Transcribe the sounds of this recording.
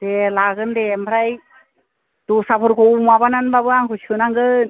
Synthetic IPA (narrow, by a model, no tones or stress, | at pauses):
delaɡɯndembʰʱɾaj | t̪usapʰɯɾkowmabananbabɯaŋkʰusɯnaŋɡɯn